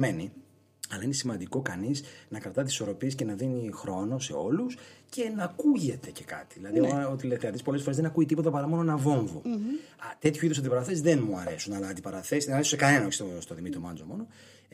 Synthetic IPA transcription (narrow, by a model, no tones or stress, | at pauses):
me̞ni | ɐlɐine̞simɐnd̪iko̞kɐnisnɐkɾɐt̪ɐt̪isi̥so̞ɾo̞piesce̞nɐðinixɾo̞no̞se̞̰o̞lusce̞nɐkuʝe̞t̪e̞ce̞kɐ̰t̪i̥ðilɐðiot̪ilekθeɐðispo̞lesfoɾezðenɐkuit̪ipo̞t̪ɐpɐɾɐmo̞noenɐvo̞ɱvo | t̪e̞t̪çuiðosɐnd̪ipɐɾɐθesðe̞nmuɐɾe̞sunɐlɐːnd̪ipɐɾɐθesnɐɾeu̥sekɐne̞nɐo̞çisost̪oðimit̪ɾomɐnzomo̞no̞